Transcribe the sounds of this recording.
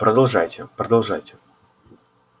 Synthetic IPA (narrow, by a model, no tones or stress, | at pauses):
pɾəd̪ɐlˠʐajtʲɪpɾəd̪ɐlˠʐajtʲɪ̥